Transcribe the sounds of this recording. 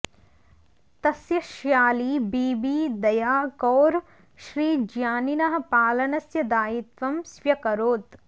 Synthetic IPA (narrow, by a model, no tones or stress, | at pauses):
t̪ɐsjɐʃjaːliːbiːbiːd̪ɐjaːkɔːɾ | ʃɾiːd͡ʒjaːninɐɦɐ̆paːlɐnɐsjɐd̪aːjit̪ʋɐmsʋjɐkɐɾoːt̪